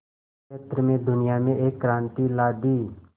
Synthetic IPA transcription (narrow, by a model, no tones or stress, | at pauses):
et̪ɾəmẽd̪ʊnɪjamẽʔeːkːɾãːnt̪ilaːd̪iː